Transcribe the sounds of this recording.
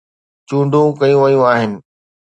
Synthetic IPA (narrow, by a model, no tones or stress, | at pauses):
t͡ɕũːɳɖʱũkɐjũʋɐjũaːɦɪnɪ̆